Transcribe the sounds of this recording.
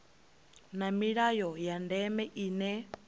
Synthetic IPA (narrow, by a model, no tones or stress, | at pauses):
namiɺajɔjandɛmɛʔiːnɛ